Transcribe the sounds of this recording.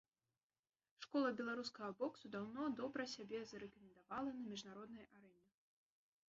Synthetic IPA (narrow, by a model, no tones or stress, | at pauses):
ʂkɔlˠɐbʲɛlˠaɾuskɐɣɐbɔksud̪awnɔd̪ɔbɾɐsʲabʲɛzɐɾɛkɐmʲɛnd̪avalˠɐnɐmʲiʐnaɾɔd̪nɐjʔaɾɛnʲɛ